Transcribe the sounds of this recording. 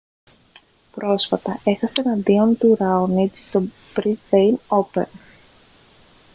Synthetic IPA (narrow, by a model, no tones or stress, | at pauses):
pɾo̞sfɐt̪ɐe̞xɐsenɐðiont̪uɾɐonit͡sst̪o̞ | b̥ɾizvejno̞pḛn